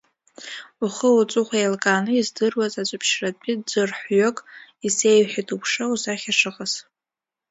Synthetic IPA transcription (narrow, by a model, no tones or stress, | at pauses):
uχəwut͡sʼuχʷajlkʼaːnɨizdɨrwazat͡ʃʷʼapʰʃrat͡pʼid͡zɨrħʷɥokʼise̞jɥħitʼupʰʂauzaχʲaʂɨqʼaz